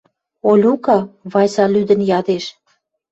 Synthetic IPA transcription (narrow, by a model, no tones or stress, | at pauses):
olʲukɑβɑjsɑlyd̪ə̆njɑd̪eʃ